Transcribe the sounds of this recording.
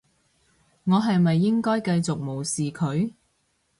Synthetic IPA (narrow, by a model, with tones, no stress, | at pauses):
ŋɔː˨˧ɦɐ˨jmɐ˨jːɪ˥ŋkɔː˥jkɐ˧jt͡sʊ˨k̚mo˨˩wsiː˨kʰɵ˨˧ɥ